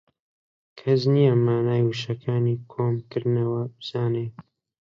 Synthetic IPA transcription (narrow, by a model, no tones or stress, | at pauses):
kʰɐs̬nijɛmaːnaːjwuʃɐkʰaːniːkʰoːmkɨɾnɐwɐbɨz̥aːneː